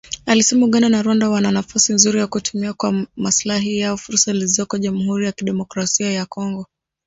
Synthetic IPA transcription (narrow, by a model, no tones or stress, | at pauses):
alisɛmuuɠananaɾwandawananafasinzuɾijakutʰumiakwamaslaɦijaɔfuɾsalizɔkɔʄamuhuɾijakiɗɛmɔkɾasiajakɔŋɡɔ